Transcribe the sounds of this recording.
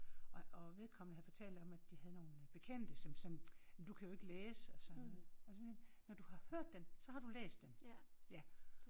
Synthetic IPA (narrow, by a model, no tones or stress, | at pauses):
ɒɒ̽ʋe̝ðˠkʰɒ̽m̰n̩əɦæð̩ˠfɒ̽t͡sʰɛ̰ld̥ɒ̽mædd̥ihæð̞̩ˠno̝ːnb̥e̝kʰen̰d̥əsɒ̽msɒ̽mjæmd̥ukʰæjo̝e̝ɡ̥əleːsɒ̽sɒ̽nːɔð̩ˠɒsɒenɒd̥uhɑ̈høɐ̰d̥ːensɒ̽hɑ̈d̥ulḛːsd̥enjæ